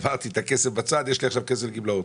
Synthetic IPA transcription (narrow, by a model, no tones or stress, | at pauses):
vaʁt̪it̪akesefbat͡sad̪jɛʃliaχʃavkes̬elɡiblaot̪